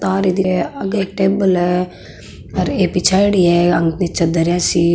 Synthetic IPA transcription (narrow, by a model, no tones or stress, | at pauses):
t̪aːɾid̪iɐɡek̚ʈeːbəlɛ | ɐɾeːpit͡ʃʰaːjɽiɛɐ̃ŋɡnit͡ʃɐd̪ɐɾjãːsi